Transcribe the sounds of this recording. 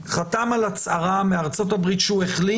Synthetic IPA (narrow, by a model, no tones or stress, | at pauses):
χatamalat͡saʁameaʁt͡sotabʁitʃueχli